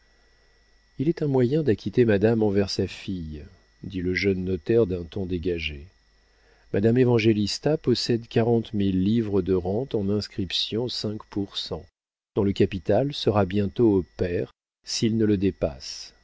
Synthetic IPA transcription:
ilɛt̪ɛ̃mwajɛ̃d̪akʲit̪emad̪amɑ̃vɛʁsafij | d̪iləʒənːɔt̪ɛʁd̪ɛ̃t̪ɔ̃d̪eɡaʒe | mʔad̪amevɑ̃ʒelist̪apɔsɛd̪kaʁɑ̃t̪milːivʁəd̪əʁɑ̃t̪ɑ̃nɛ̃skχipsjɔ̃sɛ̃kpuʁsɑ̃ | d̪̥ɔ̃ləkapit̪alsəʁabjɛ̃t̪oːpɛʁ | silnələd̪epa̰s

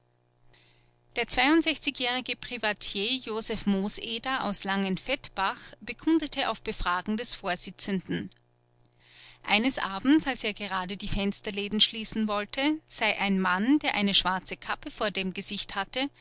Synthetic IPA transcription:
d̥eːɐt͡sv̥aɪʊntz̥ɛçt͡sɪçjɛːʁ̞ɪɡəpʁ̥ivatʰjeːjoːzɛfmoːsʔeːdɐa̰ʊslaŋənfɛtb̥aχb̥əkʰʏndətʰəʔaʊfb̥əfʁ̥aːɡŋ̩dɛsfoːɐz̥ɪt͡səndn̩ | ʔa̰ɪnəsʔaːbm̩salseːɐɡəʁaːdədiːfɛnstɐleːdn̩ʃliːsn̩vɔltʰəz̥aɪʔaɪnmandeːɐʔaɪnəʃv̥aɐt͡səkʰapəfoːɐdeːmɡəzɪçthatə

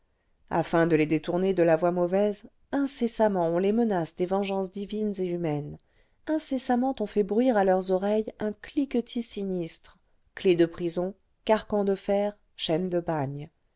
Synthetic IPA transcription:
a̰fɛ̃d̪əled̪et̪uʁned̪əlavwamɔvɛz | ɛ̃sesamɑ̃ɔ̃lemənasd̪evɑ̃ʒɑ̃sd̪ivinzeymɛn | ɛ̃sesamɑ̃t̪ɔ̃fɛbʁɥiʁalœʁzɔʁɛjɛ̃klikət̪ʰisinist̪χ | kled̪əpχizɔ̃ | kaʁkɑ̃d̪əfɛːʁ | ʃɛnd̪əbaɲ

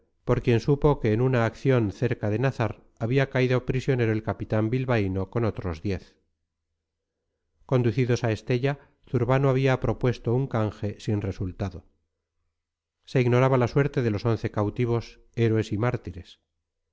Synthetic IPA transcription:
po̞ɾkje̞nsupo̞ke̞ːnunaːkθjo̞nθe̞ɾkaðe̞naθaɾ | aβiakaiðopɾisjo̞ne̞ɾo̞e̞lkapit̪ambilβaino̞ko̞no̞t̪ɾo̞zðje̞θ | ko̞nd̪uθiðo̞sae̞st̪e̞ʎa | θuɾβanoaβ̞iapɾo̞pwe̞st̪o̞uŋkaŋxe̞sinre̞sult̪aðo̞ | se̞iɣno̞ɾaβalaswe̞ɾt̪e̞ðe̞lo̞so̞nθe̞kawt̪iβ̞o̞s | eɾwe̞simaɾt̪iɾe̞s

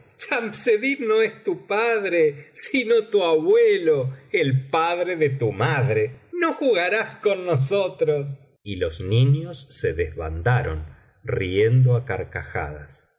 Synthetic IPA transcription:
t͡ʃamseðinoest̪upaðɾesinot̪uaβweloelpaðɾeðet̪umaðɾenoxuɣaɾaskonːos̬ot̪ɾos̬ | ilosniɲosːeðezβa̰nd̪aɾo̰n | riend̪oakaɾka̰xa̰ða̰s

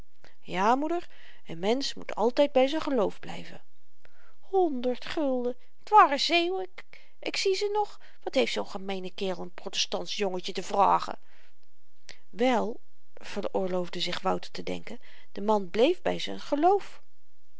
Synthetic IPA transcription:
jaːmudəɹ | əmɛnsmṵtʰɑ̰lˠtɛjd̚bɛjzənχəlowvblɛ̰jvə̰ | hɔndəɹtχɵlˠdə | tʋaːrəzejwk | ʔɪksizənɔχ | ʋɑtɦejftsownχəmejnəkɪːrəlˠənprotɛstɑntsjoŋəcətəv̥ra̰ːχə̰ | ʋɛlˠ | v̥ərʊːɹlowvdəzɪχʋɑwtətədɛ̰ŋkən | d̥əmɑnblejvbɛ̰jzənχəlowf

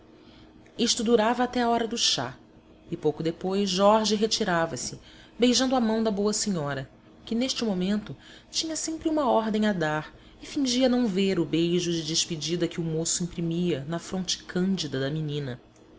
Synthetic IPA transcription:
iʃt̪ʊd̪uɾavɐat̪ɛaɔɾɐd̪ʊʃa̰ | ɪpowkʊd̪epojʃʒɔɾʒɪɦet͡ʃiɾavɐsɪ | bejʒɐ̃nd̪ʊɐmɐ̃w̃d̪ɐboɐseɲɔɾɐ | kɪneʃt͡ʃɪmomẽnt̪ʊ | t͡ʃĩɲɐsẽmpɾɪũmɐɔɾd̪ẽj̃ɐd̪aɾ | ɪfĩʒiɐnɐ̃w̃veɾʊbejʒʊd͡ʒɪd͡ʒɪʃped͡ʒid̪ɐkɪʊmosʊĩpɾimiɐnɐfɾõnt͡ʃɪ̥kʰɐ̃nd͡ʒid̪ɐd̪ɐminĩnɐ

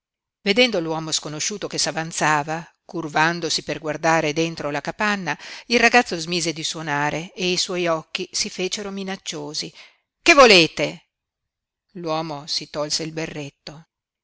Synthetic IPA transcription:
ved̪ɛnd̪olwɔːmoskonoʃuːt̪okesavant̪saːvakurvand̪osiperɡward̪aːɾed̪ent̪ɾolakapanːailrːaɡat̪sozmiːzed̪iswonaːɾeeiswɔjɔkːisifeːt͡ʃeɾominat͡ʃːoːzi | kevːoleːt̪e | lwɔːmosit̪ɔlseilberːet̪ːo

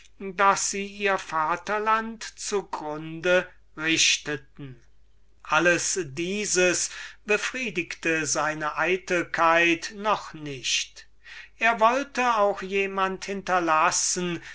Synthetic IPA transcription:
dasz̥iːiːɐfaːtɐlantt͡suɡʁʊndə | ʁɪʃtətn̩ | ʔaləsdiːzəsb̥əfʁ̥iːdɪktəzaɪnəʔaɪtəlkʰaɪtnɔχnɪʃt | ʔeːɐvɔltəaʊxjeːmanthɪntɐlasən

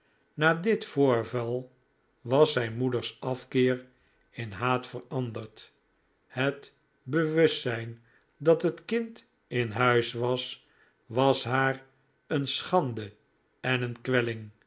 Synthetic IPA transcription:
naːdɪtfʊːɹvɑlˠ | ʋɑsɛjnmudəɹsɑfkɪːʁ | ɪnɦaːtfərɑndərt | hət | bəʋɵsɛjn | dɑtɦətkɪnt | ɪnɦœɥsʋɑs | ʋɑsɦaːr | ənsχɑndə | ɛnənkʋɛlɪŋ

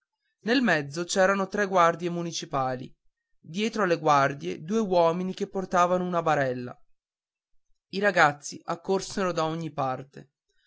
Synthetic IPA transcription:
nelmɛd̪zːot͡ʃɛːɾanot̪ɾɛɡward̪jemunit͡ʃipaːlḭ | d̪jɛːt̪ɾoalːeɡward̪jḛd̪uːewɔːminikepːort̪aːvanounabaɾɛlːa̰ | iɾaɡat̪sːiakːorseɾod̪aoɲːipart̪e

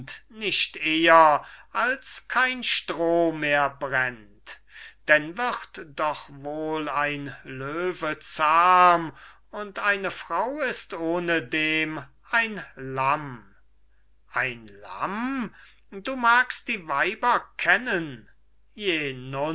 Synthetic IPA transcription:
tnɪʃteːɐʔalskʰaɪnʃtʁoːmeːɐbʁɛn | t | d̥ɛnvɪʁtd̥ɔχvoːlaɪnløːvət͡saːm | ʊntaɪnəfʁ̥aʊɪstoːnədeːm | ʔaɪnlam | ʔaɪnla̰m | duːmaːkst̚d̥iːvaɪbɐkʰɛnən | jeːnʊ

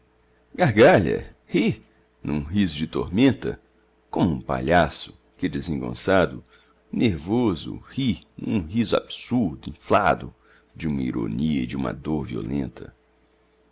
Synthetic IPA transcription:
ɡaɾɡaʎɐ̰ | hi | nũɦizʊd͡ʒɪt̪oɾmẽnt̪ɐ̰ | kõmʊũpa̰ʎasʊ̥ | kɪd̪ezẽŋɡõ̰sad̪ʊ | neɾvozʊ̰hinũɦizʊa̰bsuɾd̪ʊĩflad̪ʊ | d͡ʒɪũmɐiɾo̰niɐid͡ʒɪũmɐ̰d̪oɾviolẽnt̪ʰɐ

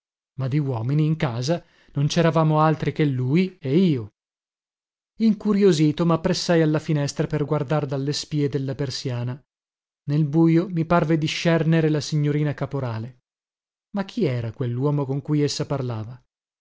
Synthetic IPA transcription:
mad̪iwɔːminiːŋkaːza | nont͡ʃɛɾavaːmoalt̪ɾikelːuːjeiːo | iŋkuɾjoziːt̪omapːɾesːajalːafinɛst̪ɾaperɡward̪ard̪alːespiːed̪elːapersjaːna | nelbuːjomiparved̪iʃːɛrneɾelasiɲːoɾiːnakapoɾaːle | makʰːiɛːɾakwelːwɔːmokoŋkujesːaparlaːva

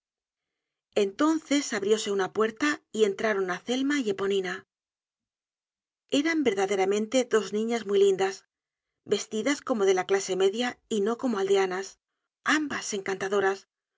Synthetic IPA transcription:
e̞nt̪o̞nθe̞saβɾjo̞se̞unapwe̞ɾt̪aie̞nt̪ɾaɾo̞naθe̞lmaʝe̞po̞nina | e̞ɾambe̞ɾðaðe̞ɾamẽ̞nt̪e̞ðo̞znĩɲazmijlind̪as | be̞st̪iðasko̞mo̞ðe̞laklase̞me̞ðjaino̞ko̞moald̪e̞anas | ambase̞ŋkant̪aðo̞ɾas

